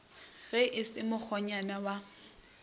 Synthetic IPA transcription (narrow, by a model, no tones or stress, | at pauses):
ɣɛʔɪsɪmʊk͡xʰɔɲanawa